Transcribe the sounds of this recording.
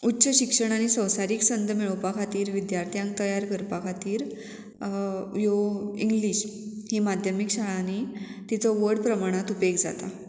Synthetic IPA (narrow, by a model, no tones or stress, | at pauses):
utːɕəɕikʂəɽ̃añisə̃wsaɾiksənd̪ʱəmiɭəwpakʰat̪iːɾʋid̪jaɾt̪ʰijãŋk̚t̪əjaɾkəɾpakʰat̪iːɾ | joiŋɡliɕhimad̪ʱjəmikɕaɭanit̪it͡sʰɔʋəɾɽpɾəmaɽ̃at̪upekd͡zat̪a